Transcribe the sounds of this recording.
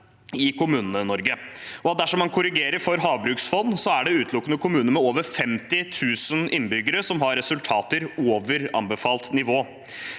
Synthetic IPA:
ɪkʰʊmʉːnənənɔɾɡəɔɑt̪̚d̪æʂɔmːɑnkʰʊɾɪɡeːɾəɾfɔɾɦɑːʋbɾʉːksfɔnːsɔæɖɛʉːt̪ʰlʊkːənəkʰʊmʉːnəmɛoːʋəɾfɛmt̪ɪt̪ʰʉːsənɪnːbʏɡəɾəsɔmɦɑɾɛsʉlt̪ʰɑːt̪əɾoːʋəɾɑ̰mbəfɑːlt̪nɪʋoː

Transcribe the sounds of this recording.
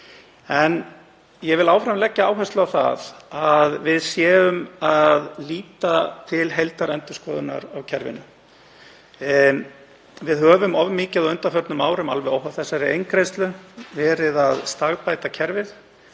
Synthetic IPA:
ɛn | jɛvɪlaːwfɾamlɛcːaaːwɦɛst̪lawθa̰ðaðvɪðsjɛːʏmaðliːt̪at̪ʰɪlɦejlt̪aɾɛnt̪ʏskɔːðʏna̰ɾawcʰɛɾvɪ̰nʏ | vɪðɦœːvʏmɔvmɪːcaðɔœnt̪afœɾt̪nʏmaːwɾʏma̰lvɛowɦawθɛsːaɾɪejnkɾɪjst̪lʏvɛːɾɪðaðst̪aɣpaːjt̪acʰɛɾvɪθ

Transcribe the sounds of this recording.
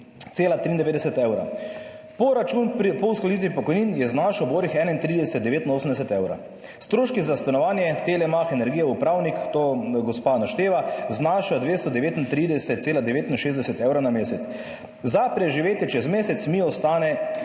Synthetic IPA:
t̪seːlat̪ɾiːnd̪ɛʋeːd̪ɛsɛt̪ɛwɾa̰ | pɔɾat͡ʃunpɔusklad̪it̪ʋipɔkɔjninjɛznaʃɔboːɾixɛːnaint̪ɾid̪ɛsɛt̪̚d̪ɛʋeːt̪inoːsmd̪ɛsɛt̪ɛwɾa̰ | st̪ɾoːʃkizast̪anɔʋaːnjɛt̪elɛmaxɛnɛɾɡiːjaupɾawnikt̪oːɡɔspanaʃt̪eːʋaznaːʃad̪ʋest̪ɔd̪ɛʋeːt̪int̪ɾid̪ɛsɛt̪t̪seːlad̪ɛʋeːt̪inʃeːzd̪ɛsɛt̪ɛwɾanameːsɛt̪s | zapɾɛʒiʋeːt̪jɛt͡ʃɛzmeːsɛt̪smiɔst̪aːnɛ

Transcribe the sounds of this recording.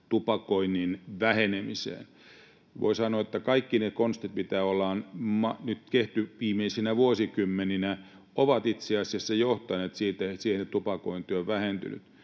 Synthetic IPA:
t̪upɑkoinːinʋæhenemisḛːn | ʋo̰isɑnoːet̪ːækɑikːinekonst̪it̪mit̪æːolːɑːnmɑnyt̪keht̪yʋiːmeisinæʋuosikymːeninæ | oʋɑt̪it̪seɑsiæsːɑjoht̪ɑneːt̪siːt̪æsiːhenet̪upɑkoint̪ːioʋʋæhent̪y̰ny̰t̪

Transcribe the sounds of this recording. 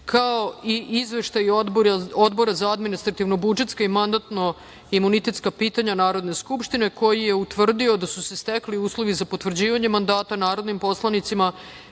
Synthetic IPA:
kao̞iʔizʋe̞ʃt̪aj̪boɾao̞d̪bo̞ɾazaad̪minist̪ɾat̪iʋno̞bud͡ʒe̞t̪skaimand̪at̪no̞ | imunit̪et̪skapiːt̪aɲanaːɾo̞d̪ne̞skupʃt̪ine̞ko̞jije̞ut̪ʋr̩d̪io̞d̪asusest̪ekliuːslˠoʋizapo̞t̪ʋr̩d͡ʑiːʋaɲemand̪aːt̪anaːɾo̞d̪nimpo̞slˠanit̪sima

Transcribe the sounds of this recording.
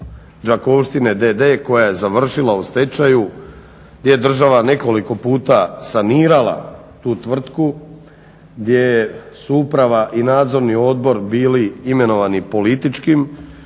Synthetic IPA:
d͡ʒako̞ʋʃt̪ine̞d̪ed̪e̞ːko̞jaje̞zaʋr̩ʃilˠaust̪e̞t͡ʃaju | ɡd̪jeed̪r̩ʒaʋane̞ko̞liko̞puːt̪asaniːɾala̰ | t̪uːt̪ʋr̩t̪ku | ɡd̪ʲjejesuupɾaʋaʔinaːd̪zo̞ɾnio̞d̪bo̞ɾbiːliime̞no̞ʋanipo̞lit̪it͡ʃkim

